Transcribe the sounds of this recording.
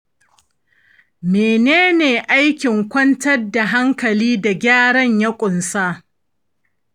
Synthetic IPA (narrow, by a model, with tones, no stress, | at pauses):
meː˨neː˦neː˨ʔa˦jkʲɪ˨ŋkʷɐ˦ntɐ˦rda˨ɦa˦ŋkɐ˨liː˦da˨ɡʲaː˦ɽɐ˦ɲjɐ˦kʷʼʊ˨nsaː˦